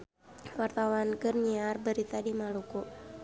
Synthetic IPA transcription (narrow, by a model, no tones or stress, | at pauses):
wart̪awankərɲiarbəɾit̪adimaluku